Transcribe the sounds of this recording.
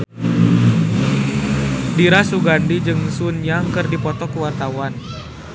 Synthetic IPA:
diɾasuɡandid͡ʒɨŋsunjaŋkɨrdipɔt̪ɔkuwart̪awan

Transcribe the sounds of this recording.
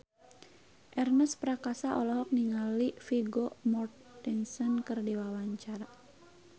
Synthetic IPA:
ʔɛrnəspɾakasaʔɔlɔɦɔk̚niŋalifiɡɔmɔrt̪ːinsɔnkɨrdiwawaɲt͡ʃaɾa

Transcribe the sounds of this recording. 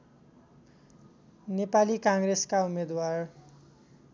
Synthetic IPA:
nepalikãŋɡɾeskaumed̪war

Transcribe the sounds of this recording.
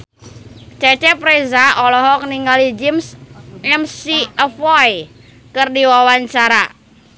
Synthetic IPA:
t͡ʃat͡ʃɛpɾɛzaɔlɔɦɔk̚niŋɡalid͡ʒimsəmsiəfɔj | kɨrdiwawaɲt͡ʃaɾa

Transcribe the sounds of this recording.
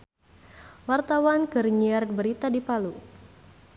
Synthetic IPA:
wart̪awankərɲiɛr̚bəɾit̪adipalu

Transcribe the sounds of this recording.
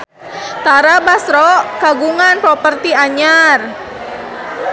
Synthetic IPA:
t̪aɾabasɾɔkaɡuŋanpɾɔpərt̪iaɲar

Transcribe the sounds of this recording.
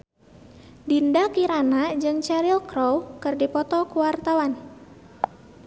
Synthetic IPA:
dindakiɾanad͡ʒɨŋt͡ʃaɾilkɾɔwkɨrdipɔt̪ɔkuwart̪awan

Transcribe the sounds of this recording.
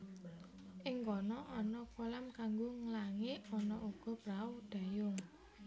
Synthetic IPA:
ʔɪŋkɔnɔʔɔnɔkolamkaŋɡoŋəlaŋeɔnɔuɡ̥ɔ̤b̥ɾaud̪̥a̤jʊŋ

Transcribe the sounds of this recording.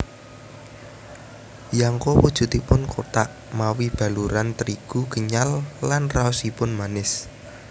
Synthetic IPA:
jaŋkopud̥ʒ̥ṳt̪ipʊnkʰot̪aʔ | mawib̥a̤luɾant̪əɾiɡ̥uɡ̥əɲalːanraɔsipʊnmanɪs

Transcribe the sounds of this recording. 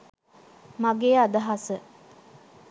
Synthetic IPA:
maɡeːad̪əɦasə

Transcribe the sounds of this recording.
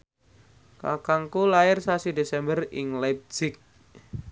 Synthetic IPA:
ka̰kaŋkulaɪrsasidesɛmbərɪŋlɛp̚sɪk̚

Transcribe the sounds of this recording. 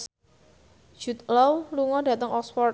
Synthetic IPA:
ʒ̥ṳt̪̚lɔwluŋɔdä̤t̪əŋʔɔksfɔr

